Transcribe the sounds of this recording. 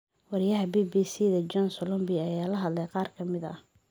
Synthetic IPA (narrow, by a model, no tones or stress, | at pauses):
wɐɾɪjɐɦɐbiːbiːsiːðɐd͡ʒɔnsɔlɔmbiɐjaːlɐɦɐd̪lɛjqɑːrkʰɐmɪðɐ̰